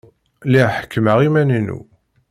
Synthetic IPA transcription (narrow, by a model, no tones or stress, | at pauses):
liħə̥kːəməʁimænənṵ